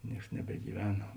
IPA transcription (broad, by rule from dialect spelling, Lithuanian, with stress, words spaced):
ˈnʲiɛks nʲɛbʲɛɡʲiːˈʋʲæːnɐ